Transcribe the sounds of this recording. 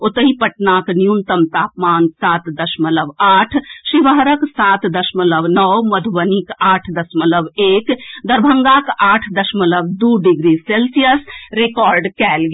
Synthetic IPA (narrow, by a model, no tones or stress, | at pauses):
ot̪əɦipɐʈnaːknjunt̪əmt̪aːpmaːnsaːt̪d̪ɐʃmələbaːʈʰʃiʋəɦɾəksaːt̪d̪ɐʃmələʋnɔwmɐd̪ʱʋənikaːʈʰd̪ɐsmələbeːkd̪ɐɾbʱəŋɡakaːʈʰd̪ɐʃmələbd̪uːɖiɡɾiselsijəsɾekɔːɾɖkɛːlɡ